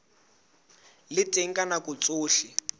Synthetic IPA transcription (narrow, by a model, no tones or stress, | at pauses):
lɪtʼeŋ̩kʼanakut͡sʼʊːɬi